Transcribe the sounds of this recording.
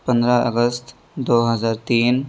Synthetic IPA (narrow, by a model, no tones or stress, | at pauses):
pə̃nd̪ɾaʔə̰ɡəst̪ | d̪oːɦəzaːɾt̪iːn